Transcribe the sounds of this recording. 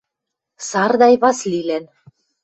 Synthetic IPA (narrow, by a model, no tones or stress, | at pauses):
sɑrd̪ɑjβɑslilæn